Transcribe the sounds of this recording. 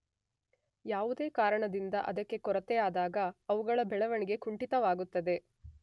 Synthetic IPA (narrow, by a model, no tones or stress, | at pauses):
jaːʋud̪e̞ːkaːɾɐɳɐd̪ind̪ɐʔɐd̪ɐkːe̞kɔɾɐt̪eaːd̪aːɡɐːʋuɡɐɭɐbɛɭɐʋɐɳiɡe̞kuɳʈit̪ɐʋaːɡut̪ːɐd̪e̞